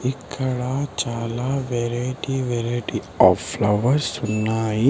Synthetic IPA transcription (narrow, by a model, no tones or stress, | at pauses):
ikʰːɐɽaːt͡ʃaːlaːʋeɾeʈiʋeɾɐjʈi | aːplɐʋɐɾsunːaːji